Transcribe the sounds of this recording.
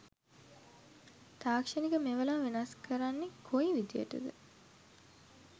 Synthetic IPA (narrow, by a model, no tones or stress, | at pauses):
t̪aːkʂɐnikəmeʋəlaːʋenɐskəɾanːekʰoiʋid̪ijə̰ʈə̰d̪ə̰